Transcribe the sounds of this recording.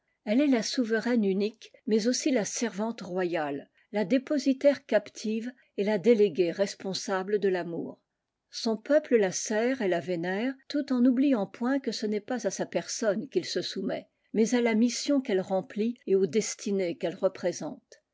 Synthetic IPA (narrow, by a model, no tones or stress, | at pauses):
ɛlɛlasuvəʁɛnynikmɛzosilasɛʁvɑ̃t̪ʁwajalː | ad̪epɔzit̪ɛʁkapt̪ʰiv | elad̪eleɡʲeʁɛspɔ̃sabləd̪əlamṵːʁ | sɔ̃pœpləlasɛːʁelavenɛːʁt̪ut̪ɑ̃nublijɑ̃pwɛ̃kəsənɛpazasapɛʁsɔnkʲilsəsumɛ̰ | mɛzalamisjɔ̃kɛlʁɑ̃plieod̪ɛst̪ʰinekɛlʁəpχezɑ̃t̪